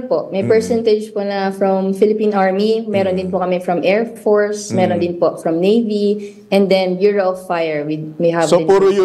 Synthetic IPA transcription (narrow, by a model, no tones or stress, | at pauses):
poʔmɐjpɛɹsɛnt̪ɛd͡ʒponɐfɹɐmfɪlɪpĩːnʔaɹmimɛːɾond̪ɪnpʊkɐmɛfɹɐmʔɛːɹfoɹsmɛːɾond̪ɪnpofɹɐmnejvi | ʔɛ̃nd̪ɛnjuɹɐʔɔvfajɛɹwimejɦɐvsopuɾojʊ